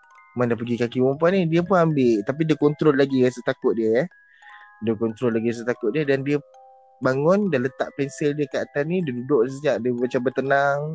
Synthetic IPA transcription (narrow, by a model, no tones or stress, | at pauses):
mandapəɡikakiwɔmpanidiəpʊnambɪʔt̪ap̬idəkɔnt̪ɾolːaɡiasət̪akʊt̪̚diəjɛ | dəkɔnt̪ɾɔlːaɡias̬ət̪akʊt̪̚diədandiə | baŋʊndalət̪a̰ʔpɛnsɪldiəkəat̪anidədudʊʔsəɲaʔdəmat͡ʃambərt̪ənaŋ